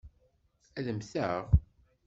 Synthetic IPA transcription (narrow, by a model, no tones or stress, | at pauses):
æðəmθəʁ